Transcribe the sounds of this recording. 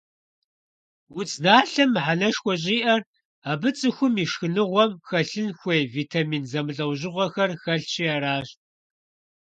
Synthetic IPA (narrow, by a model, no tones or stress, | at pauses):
wʊt͡sʼnaːɬɐmħanɐʃxʷɔɕ̬ʼiːʔɐr | aːbɨt͡sʼɨxʷʊmiːʃxɨnɨʁʷɔmxɐɬɨnxʷejviːtʰamiːnzɐmɨɮʼɐwʑɪʁʷɔxɐrxɐɬt͡ʃʰiaːɾaːɕ